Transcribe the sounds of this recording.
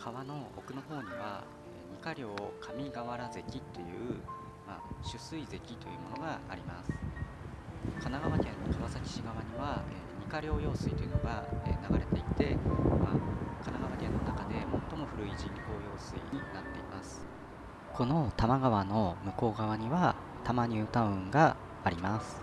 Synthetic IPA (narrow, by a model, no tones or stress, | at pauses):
kʰaβano̞o̰kɯ̟no̞ɦo̞ːɲ̟iβa̰ | eːɲ̟ikaɾʲo̞ːkʰamʲiɡaβaɾaze̞kʲit̪ːe̞jɯ̟̰ː | ma̰ɕɨsɨize̞kʲit̪o̞jɯ̟ːmo̞no̞ɡaːɾʲimasɨ̥ | kʰanaɡaβakʲẽnːokaβasakʲi̥ɕiɡaβaɲ̟iβaeɲ̟ikaɾʲo̞ːjo̞ːsɨit̪ojɯ̟no̞ɡaenaɡaɾe̞t̪e̞it̪e̞ma̰kanaɡaβakẽ̞nːo̞nakad̪e̞mo̞t̪ːo̞mo̞ɸɯ̟ɾɯ̟iʑĩŋko̞ːjo̞ːsɨḭɲ̟inat̪ːe̞imasɨ̥ | kʰo̞no̞t̪amaɡaβano̞mɯ̟ko̞ːɡaβaɲ̟iβa | t̪amaɲ̟ɨːt̪aɯ̟̃ŋɡaː | ɾʲimasɨ̥